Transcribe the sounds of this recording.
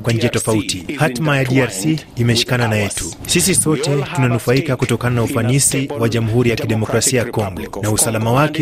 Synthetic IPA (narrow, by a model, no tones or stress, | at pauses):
kwaɲ̩d͡ʒiatɔfautihatmajaɗiaɾsiːmɛʃi̥kananajɛtusis̬isɔtɛtunanufaikakutɔkananaufanisiwaʄamuɦuɾijakiɗɛmɔkɾasiajakɔŋɡɔnausalamawakɛ